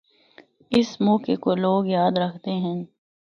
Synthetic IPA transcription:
ɪsmɔːkekoloːɡjaːd̪ɾɐkʰt̪eɦɛ̃ː

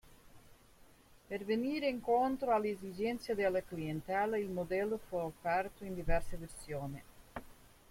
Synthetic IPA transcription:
peɾveniːɾeiŋkont̪ɾoaleezid͡ʒɛnt̪sjad̪ealaklient̪aːleilmod̪ɛlːofuofɛrt̪oind̪ivɛɾseveɾsjoːne

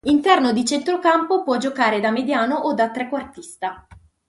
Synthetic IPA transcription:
int̪ɛrnod̪it͡ʃɛnt̪ɾokampopwɔd͡ʒokaːɾed̪amed̪jaːnoʔod̪ːat̪ːɾɛkːwart̪ist̪a

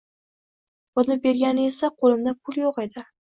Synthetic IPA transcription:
b̥ʊnɪbe̞ɾɡʲanɪe̞saqʰolˠɪmd̪apʰʊlˠjoqe̞d̪ɪ

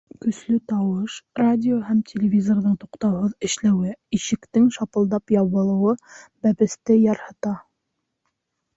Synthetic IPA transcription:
kɵ̆slɵt̪ɑwɤʃradʲɪoɦæmtʲʰelʲɪvʲizorðɤɴt̪uqt̪ɑwhɤðɘ̆ʃlæwɘiʃɘ̆kt̪ɘŋʃɑpɤ̆lˠd̪ɑpjɑβɤ̆lˠɤ̆wɤbæpɘ̆st̪ɘjɑɾhɤ̆t̪ɑ

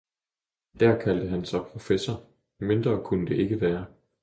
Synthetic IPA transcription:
d̥æɐkʰæld̥əɦænsɑ̈ɪpʰʁo̝fesɐ | me̝nd̥ʁɐːkʰunəd̥e̝ʔe̝ɡ̥əʋæːɐ

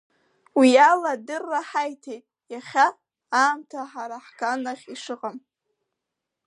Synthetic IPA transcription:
wialadɨrːaħajtʰejtʼ | jaχʲaː | mtʰaħaɾaħkʰanaχʲiʂɨqʼam

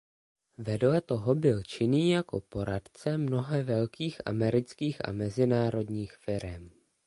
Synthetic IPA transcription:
vɛdlɛt̪o̞ɦo̞bɪlt͡ʃɪniːjako̞̰po̞ɾat̪t͡sɛmno̞ɦɛvɛlkiːxʔa̰mɛɾɪt͡skiːxʔa̰mɛzɪnaːɾo̞dɲiːxfɪɾɛm

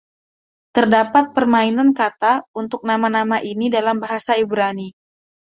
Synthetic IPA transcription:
t̪ərdapat̪̚pərmainankat̪aunt̪ʊk̚namanamaʔinidalambaɦasaibɾani

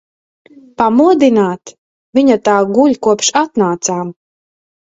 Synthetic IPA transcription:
pamuɔd̪inaːt̪ | vʲiɲat̪aːɡuʎʲkuɔpʃat̪naːt̪saːm

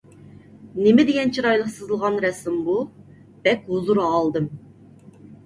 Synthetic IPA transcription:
nɪmɪd̪ɪɡʲɛnt͡ʃʰiɾɑjlˠəqsɨzɨlˠʁɑnɾɛsɪmbu | b̥ɛkʲɦuzuɾɑlˠd̪ɨm

